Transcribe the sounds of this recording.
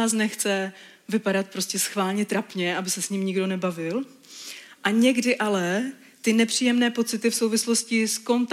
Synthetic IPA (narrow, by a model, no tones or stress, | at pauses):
aːs̬nɛxt͡sɛ | vɪpaɾat̪̚pɾo̞scɛsxvaːlɲɛt̪ɾapɲɛʔabɪsɛsɲɪmɲɪɡdo̞nɛbavɪl | ʔaɲɛɡdɪʔalɛ | t̪ɪnɛpr̝̥iːjɛmnɛːpo̞t͡sɪt̪ɪfso̞wvɪslo̞scɪsko̞nt̪